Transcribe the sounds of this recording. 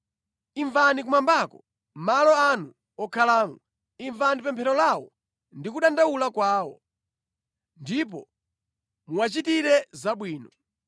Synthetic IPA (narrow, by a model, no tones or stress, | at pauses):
iɱvanikumambakɔ | malɔanu | ɔkʰalaːmɔ | iɱvanipɛmpʰɛɾɔlawɔ̰ | ndikuɗandaulakwaːwɔ | ndip̬ɔ | muwat͡ʃitiɾɛzaɓwiːnɔ